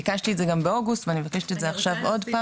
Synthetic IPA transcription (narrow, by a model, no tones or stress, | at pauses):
akaʃtietze̞ɡambeoɡustveanivakeʃtetzeaχʃavo̞dpa